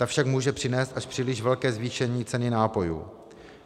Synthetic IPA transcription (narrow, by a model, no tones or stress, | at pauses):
t̪afʃakmuːʒɛpr̥ɪnɛːst̪ʔaʃpr̥iːlɪʃvɛlkɛːzviːʃɛɲiːt͡sɛnɪnaːpo̞jṵː